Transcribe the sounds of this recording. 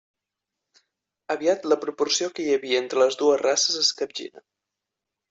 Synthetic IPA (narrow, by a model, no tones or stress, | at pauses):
əβiat̪ləpɾupursiokəjəβiəent̪ɾələzðuəzrasəzəskəb̚ʒḭnə̰